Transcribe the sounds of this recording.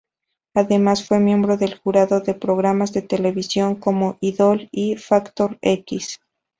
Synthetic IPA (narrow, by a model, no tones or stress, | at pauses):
aðe̞masfwe̞mjẽ̞mbɾo̞ðe̞lxuɾaðo̞ðe̞pɾo̞ɣ̞ɾamazðe̞t̪e̞le̞β̞isjo̞ŋko̞mo̞ʔiðo̞lifakt̪o̞ɾekis